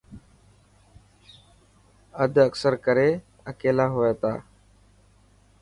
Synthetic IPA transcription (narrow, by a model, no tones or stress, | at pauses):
əd̪ʱəksəɾkəɾeː | əkeːlaːɦoːeːt̪aː